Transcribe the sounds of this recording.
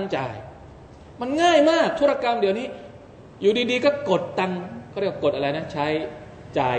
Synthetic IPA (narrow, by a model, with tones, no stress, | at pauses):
a˧ŋt͡ɕaː˧j | ma˧nŋaː˥˩jmaː˥˩k̚t̪ʰu˦˥ɾa˧ka˧mdi˨˩˦əniː˦˥˩ | juː˨˩diː˧diː˧kɔː˥˩ko˨˩t̪ːa˧ŋkʰɔ˥˩ɾko˨˩t̪̚ʔa˧ɾa˧jna˦˥t͡ɕʰa˦˥j | t͡ɕaː˧